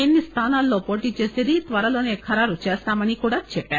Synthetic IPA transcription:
enːist̪ʰanalːopɔʈit͡ʃeseɾit̪ʋaɾalonekʰaɾaɾut͡ʃasamanikoɽat̪̚t͡ʃʰepɛ

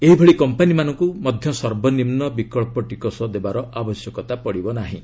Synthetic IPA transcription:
eɦibʱeɭikɔmpanimanɔŋkumɔd̪ʱjɔsɔɾbʱɔnimnɔbikɔɭpɔʈikɔsɔd̪ebaɾɔabɔsjɔkɔt̪apɔɽibɔnaɦḭ̃

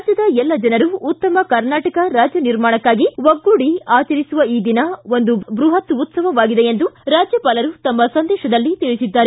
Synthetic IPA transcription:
d͡ʒjɐd̪ɐɛlːɐd͡ʒɐnɐɾuːt̪ːɐmɐkɐɾnaːʈɐkɐɾaːd͡ʒjɐniɾmaːɳɐkːaːɡiʋɐɡːuːɽiaːt͡ʃɐɾisuʋɐiːd̪inɐo̞nd̪ubɾuɦɐt̪ut̪sɐʋɐʋaːɡid̪e̞end̪uɾaːd͡ʒjɐpɐlɐɾut̪ɐmːɐsɐnd̪ɛːʃɐd̪ɐlːit̪iɭisid̪ːaːɾe

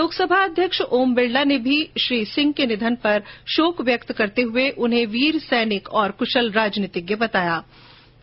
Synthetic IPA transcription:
loːksɐbʱaɐd̪ʱjəkʃoːmbɪɭɖanebʱiʃɾiːsɪ̃ŋɡkenɪd̪ʱənpɐɾʃoːkʋjəkt̪kɐɾt̪eɦʊeʔʊnɦẽʋiːɾsɛːnɪkɔːɾkʊʃəlɾaːd͡ʒniːt̪ɪkjebɐt̪aːjaː

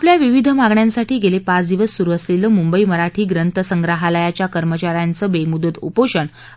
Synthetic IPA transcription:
apljaʋiʋid̪ʱəmaɡɳjãnsaʈʰiːɡelepat͡sd̪iʋəsːuɾuəsleləːmumbəiməɾaʈʰiːɡɾənt̪əsəŋɡɾaɦaləjat͡ɕjakəɾmət͡ɕaɾjant͡səːbemud̪ət̪upoɕəɳ

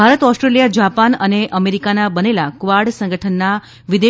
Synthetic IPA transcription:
aɾət̪ɔsʈɾeljad͡ʒapanəneʔəmeɾikanabənelakʋaɾɖsə̃ŋɡəʈʰənːa | ʋid̪e

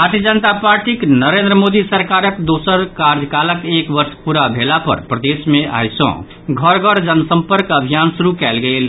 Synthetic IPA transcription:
baɾt̪ʰiəd͡ʒənt̪apaɾʈiknəɾend̪ɾəmod̪isəɾkaɾəkd̪osəɾkaɾd͡ʒəkaləkekbəɾspuɾabʱelapə̰ɾpɾəd̪esmeʔa̰jsɔ̰̃ | ɡʱəɾɡʱəɾd͡ʒənsəmpəɾkəbʱijansuɾukɛlɡel

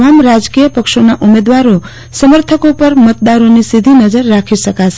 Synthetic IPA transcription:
ʋamɾad͡ʒkijəpəkʃonaʔumed̪ʋaɾo | səməɾt̪ʰəkopəɾmət̪̚d̪aɾonisid̪ʱinəd͡ʒəɾːakʰiʃəkat͡ʃʰe

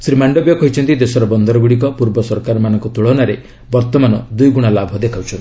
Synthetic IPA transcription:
sɾimaɳɖobjɔkɔɦit͡ʃʰɔnt̪id̪esɔɾɔbɔnd̪ɔɾɔɡuɽik̬ɔpuɾbɔsɔɾkaɾɔmanɔŋkut̪uɭɔnaɾe | bɔɾt̪ɔmanɔd̪ujɡuɽ̃alabʱɔd̪ekʰawt͡ʃʰɔn

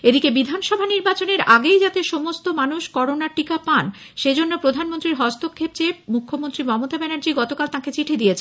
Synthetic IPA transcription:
ed̪ikebid̪ʱanʃɔbʱaniɾbat͡ɕoneɾaɡejd͡ʑat̪eʃomost̪omanuʃkɔɾonaʈikapanʃed͡ʑonːopɾod̪ʱanmont̪ɾiɾɦɔst̪okʰːep̚t͡ɕemukʰːomont̪ɾimɔmot̪abɛnaɾd͡ʑiɡɔt̪okalt̪ãket͡ɕiʈʰed̪ijet͡ɕʰe

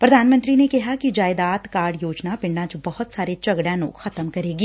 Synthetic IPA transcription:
pɾɐd̪ʱaːnmə̃nt̪ɾinekɐɦakid͡ʒaːɪd̪aːt̪kaːɾɖjoːd͡ʒnapɪ̃ɳɖãt͡ʃbɐɦʊt̪saːɾet͡ʃɐɡɽjãlo̰ːɡxɐt̪əmkɐɾeːɡiː

